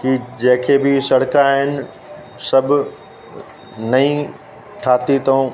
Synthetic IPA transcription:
kid͡ʑɐ̃ɦkʰebɪsɐɽkaɦɪnɪ̆ | sɐbʱ | nɐĩ | ʈʰaːt̪it̪ɐũ

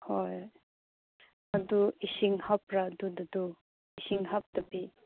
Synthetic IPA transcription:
hɔj | ɐd̪uisiŋhap̚ɾadud̪ɐd̪u | isiŋɦap̚d̪ɐbi

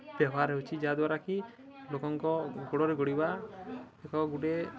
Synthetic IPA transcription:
b̥jɔbɔɦaɾeut͡ʃʰid͡ʒaad̪waɾaki | lokɔŋkɔɡoɽɔɾeɡoɽiba | ekɔɡuɽe

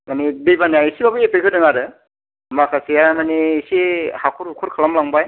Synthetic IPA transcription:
manibejbaniajisibabɯepekʰɯdɯŋaɾɯ | makʰasijamaniːsihakʰuɾukʰuɾkʰalamlaŋbaj

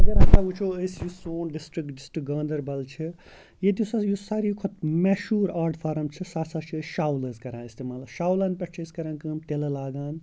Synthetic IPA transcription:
ɐɡɐɾaːt̪aːut͡ʃʰoəsjusoːnɖisʈɾikɖisʈɾik̚ɡɐ̃ːnd̪ɐɾbɐlt͡ʃʰi | jed̪jisasjusaːɾikʰot̪meʃuːɾaːɾɖpʰaːɾɐmt͡ʃʰisaːsaːt͡ʃʰiəsʃaːwlɐːzkɐɾãːist̪eːmaːlɐʃaːwlaːnpɐʈ̚t͡ʃʰiskɐɾaːnkɨːmt̪elɐlaːɡaːn

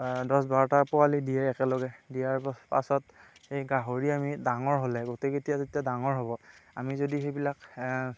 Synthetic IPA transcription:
dɔsbaɹɔtaɹpɔalidijɛɛkɛlɔɡɛdijaɹpa̰sɔtxejɡaɦoɹiamidaŋɔɹɦolɛɡoteketijatetiadaŋɔɹɦobɔamizodixejbilak

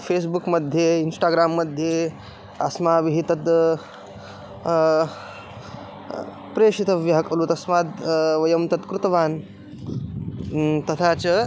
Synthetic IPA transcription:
fʰeːs̬bukmɐd̪ʱjeinsʈaːɡɾaːmːɐd̪ʱje | ɐsmaːbiɦit̪ɐt̪ | pɾeːʂit̪ɐʋjɐɦɐkɐlut̪ɐsmaːd̪ʋɐjɐmt̪ɐt̪kɾut̪ɐʋaːn | t̪ɐt̪ʰaːt͡ʃɐ

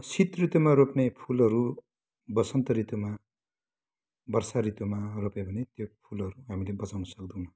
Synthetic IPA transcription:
sit̪rit̪umaɾopnepʰulʌɾu | bʌsʌnt̪ʌɾit̪uma | bʌrsaɾit̪umaropebʱʌnet̪jopʰulʌɾuɦamilebʌt͡sawnʌsʌkd̪ũmʌ

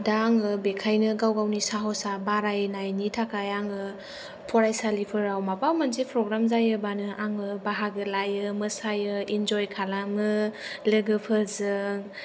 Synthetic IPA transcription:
daːŋɯbekʰajnɯɡawɡawnisaɦɔsabaɾajnajnitʰakʰajaŋɯ | pʰɔɾajsalipʰɯɾawmapawmanzipʰɾɔɡɾamzajɯbanɯʔaŋɯbaɦaɡɯlajɯmɯsajɯind͡ʒɔjkʰalamɯleɡɯpʰɯzɯŋ

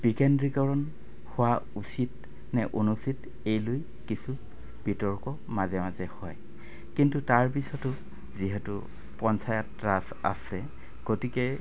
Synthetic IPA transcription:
b̥ikɛndɹikɔɹɔn | hʊwa | usit | nɛʔonusit | ejloj | kisu | b̥itɔɹkɔ | mazɛmazɛhɔj | kintutaɹpisɔtʊ | ziɦɛtʊ̰ | pɔnsajɔtɹas | a̰sɛ | ɡ̥otikɛ

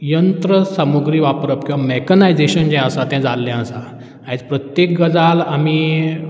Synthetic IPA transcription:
jənt̪ɾəsəmuɡɾiːʋapɾəpkiʋamekənajd͡zeɕənd͡ʑɛ̃əsat̪ɛ̃d͡zalːɛ̃əsa | ãt͡spɾət̪jek̚ɡəd͡zalami

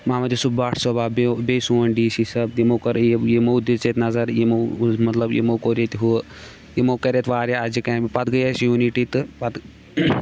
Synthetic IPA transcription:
mãːmɐd̪isubbaːʈʰsobaːbebeːsuːɐnɖiːsisɐb̪̚jimoːkɐɾjejemod̪it͡ʃeːt̪nɐzɐɾjemomɐt̪lɐbjḛmoːkoːɾet̪iɦu | jemoːkɐɾet̪ʋaːɾʲjaad͡ʒikãːpɐt̪ɡɐjasjuːniʈiːt̪ɨpɐt̪

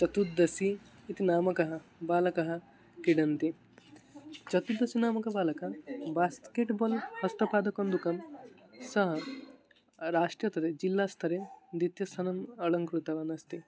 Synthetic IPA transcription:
t͡ʃɐt̪ud̪ːɐsiːt̪inaːmɐkɐɦɐ̆baːlɐkɐɦɐ̆ | kiɖɐnt̪i | t͡ʃɐt̪ud̪ːɐsinaːmɐkɐbaːlɐkɐbaːskeːʈboːlhɐst̪ɐpaːd̪ɐkɐnd̪ukɐmsɐɦɐ | ɾaːʂʈɾjɐt̪ʰɐɾed͡ʒilːaːst̪ʰɐɾed̪it̪jɐst̪ʰɐnɐmɐɭɐŋkɾut̪ɐʋɐnɐst̪i

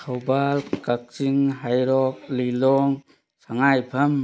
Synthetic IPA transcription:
kʰawbalkak̚t͡ʃiŋɦajɾɔk̚lilɔŋ | saŋajpʰɐm

